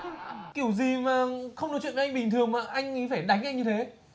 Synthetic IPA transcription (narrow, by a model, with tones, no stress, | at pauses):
ki˧˩əwzi˨˩maː˨˩xə˧wŋ͡mɨ˨˩t͡ɕwḭ˧˨vʔŋ̟ɓï˨˩ŋ̟t̪ɨ˨˩əŋmaː˨˩ʔa˧jŋ̟˨˦faː˧˩jɗa˨˦jŋ̟ʔa˧jŋɲɨ˧t̪ʰe˨˦